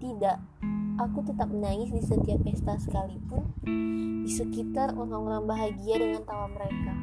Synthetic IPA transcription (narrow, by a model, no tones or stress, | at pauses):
t̪idaʔ | akut̪ət̪ap̚mənaŋɪsdisət̪iapːɛst̪asə̥kalipʊn | disəkit̪aruɾaŋuɾaŋbaɦaɡiadəŋant̪awaməɾeka